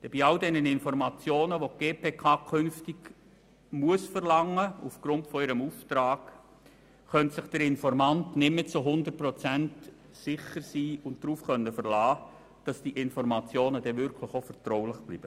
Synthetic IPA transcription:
d̥ɛb̥iɑldɛnənɪnfɔɾmɑt͡sjoːnəʋoɡ̥eːpʰeːkʰɑːkʰʏnftɪɡ | muəsfəɾlɑŋːəufɡ̥ɾʊntfɔɪɾəmuːftɾɑːɡ̥ | χœntsɪχd̥əɾɪnfɔɾmɑntnɪmːət͡suɦʊndərt̚prɔt͡sænt | sɪχəɾsiːʊnt̚d̥ɾuːfχœnːəfəɾlɑː | d̥ɑsd̥iʔɪnfɔɾmɑt͡sjoːnədɛvʏɾkʰlɪχofɛrtrɔʊlɪχb̥lḭːb̥ə

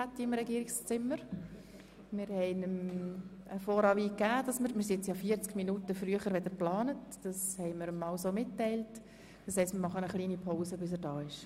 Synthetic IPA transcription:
atːiɪmɾɛɡiːəɾɪkst͡sɪmːəɾ | mɪɾhɛɪnəm | əfoːɾɑʋiːkːæːd̥ɑsməɾmɪɾsɪɛt͡sjɑːfiət͡skminutəfɾyəχəɾʋɛd̪əɾplɑːnətd̥ɑshɛɪməɾmɑʊsoːmɪtːɛɪlt | d̥ɑshɛɪstmɪɾmɑχənəχliːnipʰoʊsəbɪs̬əɾdɑːɪʃ

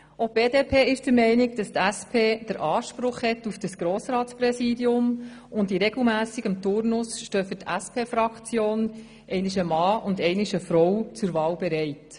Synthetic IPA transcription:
ob̥eːdeːpʰeːɪʃd̥əɾmɛɪnikd̥ɑst̪æspʰeːd̥əɾʔɑːʃpɾʊχhɛtufd̥ɑsɡ̥ɾoːsɾɑːtt͡spɾɛsiːdiʊmʊndiɾɛɡl̩mæːsiɡəmt̪ʊɾnʊsʃtøːfɵtʰæspʰeːfɾɑkt͡sjoːn | ʔɛɪnɪʃ̬əmɑːʊndɛɪnɪʃəfɾɔwt͡sʊɾvɑːwbɛɾɛɪt

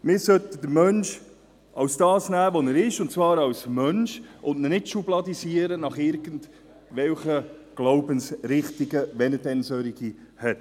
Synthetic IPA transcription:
mɪːɾsœtəd̪əɾmœnʃ | ʔɑwsd̥ɑːsnæːʋonəɾɪʃʊntt͡svɑːɾɑwsmœnʃʔʊntnənɪtʃublɑd̪isiəɾənɑχɪɾɡ̥ənd | ʋɛlχəɡ̥loʊbənsɾɪχtiɡəʋɛnətɛnsøɾiɡi | hɛt

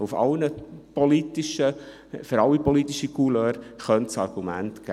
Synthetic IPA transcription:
ufɑ̰lnəpɔlit̪ɪʃə | fəɾɑlipɔlit̪ːiʃikuløːɾχœntsɑrɡ̥umæ̰ntɡ̥æ

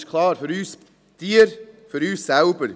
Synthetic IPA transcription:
ʃkʰlɑːɾfyɾyːs | d̥iːɾføɾyːssaʊbəɾ

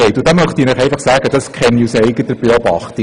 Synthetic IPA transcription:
ɛɪtʊd̥̪ɑmœχtiːɾnɛχɛæɪfɑχsæːɡəd̥ɑskχɛnːiusɛɪɡətəb̥eɔbɑ̰χti

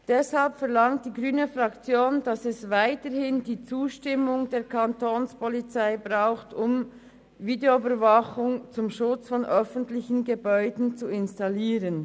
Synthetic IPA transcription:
d̥ɛshalpfɛʁlaŋt̚d̥iːɡʁyːnəfʁakt͡sjoːnd̥asɛsvaɪtəhɪndiːt͡suːʃtɪmʊŋdeːkʰantoːnspɔlit͡saɪbʁaʊxtʊm | viːdeoybəɾvaχʊŋt͡sʊmʃʊt͡sfɔnʔœfəntlɪçn̩ɡəbɔʏdn̩t͡suɪnstaliːʁən

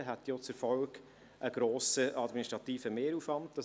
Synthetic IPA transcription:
ɦæt̪jot͡səɾfɔlɡ | ʔəɡ̥ɾoːsəʔɑd̪miniʃt̪ɾɑtiːfəmeːɾuːfɑnt̚d̥ɑs

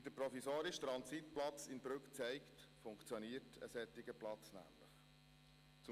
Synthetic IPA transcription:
d̥̪əpɾofisoːɾɪʃt̪ɾɑnsit̪plɑt͡sɪnbɾʉkt͡sɛɪktfʊŋkt͡sjoniːəɾtʰə̰sɛt̪ɪɡəplɑt͡snæ̰ːmləχ | t͡sʊ

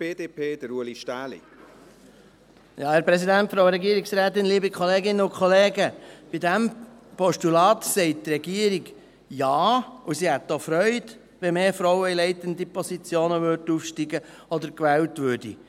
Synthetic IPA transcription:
b̥eːdeːpʰeːd̥əɾuəliʃtæːlḭ | jɑːhæːɾpɾɛsidæntfɾoʊɾɛɡiəɾiksɾæːtɪnliːbikʰχɔleːɡɪnːəʊkχɔleːɡəb̥idæmpɔʃtulɑːtsɛɪt̚tɾɛɡiəɾiɡ | jɑːusihɛtːofɾœʏd | ʋɛmeːfɾɔwəilɛɪtənd̪ipɔsit͡sjoːnəʋøɾdufʃtiɡəɔd̪əɾkʋɛːltʋøːd̥ḭ

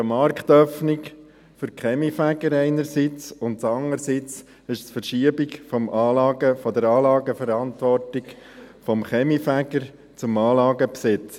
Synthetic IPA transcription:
mɑɾkχt̪œfnik | fʏɾkχɛmifæɡəɾɛɪnəɾsit͡sʊntt͡sɑŋəɾsit͡s | ɪʃsfəɾʃiəbikfɔmʔɑːlɑːɡəfɔd̪əɾɑːlɑːɡəfəɾɑnt̪ʋɔrtɪk | fɔmχɛmifæɡəɾ | t͡sʊmɑːlɑːɡəpsɪt͡s

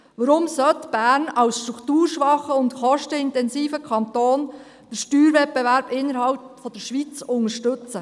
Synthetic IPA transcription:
ʋəɾʊmsœt̪b̥æːɾnɑwsʃtɾuktuːɾʃʋɑχəʊntχɔʃtəɪntɛnsiːfəkʰɑnt̪oːn | d̥əɾʃtyːɾʋɛt̚bɛʋæɾb̥ɪnːəɾɦɑlpfɔd̥̪əɾʃʋit͡sʊŋəɾʃtɵt͡sə

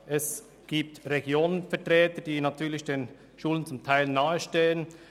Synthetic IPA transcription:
ʔɛs | ɡ̥iːp̚tʁeɡjoːnənfɛɐtʁɛːtəd̥iːnatʰyːɐlɪçd̥eːn | ʃuːlənt͡sʊmtʰaɪlnaːəʃteːən

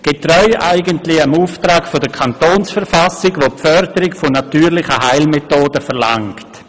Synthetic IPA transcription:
ɡ̥etrɔʏʔaɪɡəntlɪəmuːftɾaːkfodəkʰantoːnsfɛɾfasɪɡʋopfœɾdəɾɪkfonatyːɾlɪχəɦaɪlmetoːdəfɛʁlaŋkt

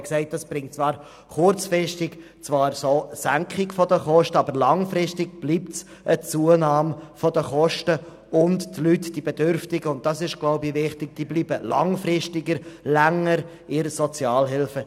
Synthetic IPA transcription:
ksɛɪt̚d̥ɑsb̥ɾɪŋt̚t͡svɑːɾ | χʊɾt͡sfɾɪʃtɪk | t͡svɑːɾsoːsæŋkχɪɡfɔdəχɔʃtəɑbəɾlɑŋfɾɪstɪɡb̥liːp̚s | ʔət͡suənɑːmfɔdəχɔʃtə | ʊnttlytd̥ibedøɾftɪɡəʊnt̚d̥ɑsɪʃɡ̥lɔʊbivɪχtɪk̚d̥iːbliːbəlʔɑ̰ŋfɾɪʃtɪɡəɾlæŋːəɾ | ɪɾsɔt͡sjɑːlɦɪlfə

